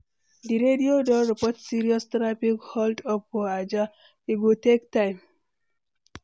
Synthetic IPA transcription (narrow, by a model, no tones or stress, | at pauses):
diɾediodɔɾipɔtsiɾiɔstɾapikhɔldɔpːɔad͡ʒa | iɡutektãjm